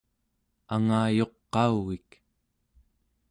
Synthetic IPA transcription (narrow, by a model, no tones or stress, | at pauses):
aŋaːjo̞qːɑuɣik